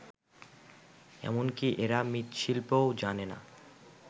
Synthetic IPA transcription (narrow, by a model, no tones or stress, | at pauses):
ɛ̰monkiʔeɾamit̪ʃilpowd͡ʑanena̰